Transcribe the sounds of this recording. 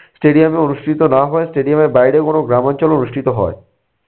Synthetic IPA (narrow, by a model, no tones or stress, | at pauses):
sʈeɖiameonuʃʈʰit̪onaɦɔesʈeɖiamebajɽekonoɡɾamant͡ɕolonuʃʈʰit̪oɦɔ̰e